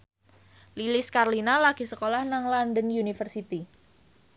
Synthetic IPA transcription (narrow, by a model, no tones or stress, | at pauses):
lilɪskarlinalaɡ̥i̤səkolahnaŋlandənjunifərsit̪i